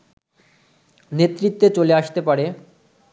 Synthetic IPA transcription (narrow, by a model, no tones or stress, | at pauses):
net̪ːɾit̪ːet͡ɕoleaʃt̪epaɾe